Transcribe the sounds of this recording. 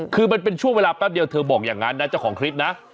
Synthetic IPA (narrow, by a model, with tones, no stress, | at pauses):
kʰɯː˧ma˧np̬e˧nt͡ɕʰu˥˩ŋwe˧laː˧pɛː˦˥˩p̚di˧əwt̪ʰɤː˧bɔː˨˩k̚jaː˨˩ŋːa˦˥nːa˦˥t͡ɕa˨˩wkʰɔː˩˦ŋkʰɾi˦˥t̪̚na˦˥ʔ